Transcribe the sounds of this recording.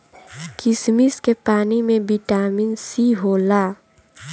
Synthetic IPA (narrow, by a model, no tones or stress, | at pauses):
kɪsmiskepaːnimẽbiʈaːmiːnsiɦoːlaː